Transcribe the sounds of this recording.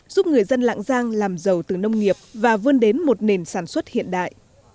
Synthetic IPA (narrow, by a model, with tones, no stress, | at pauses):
zu˦˥p̚ŋɨ˨˩əjzə˧nla̰ː˧˨ŋzaː˧ŋlaː˨˩mzə˨˩wt̪ɨ˨˩nə˧wŋ͡mŋi˨˩əp̚vaː˨˩vəː˧nɗe˨˦nmo˨˩t̚ne˨˩nsaː˧˩nswə˦˥t̚hḭ˧˨ənɗa̰ː˧˨jʔ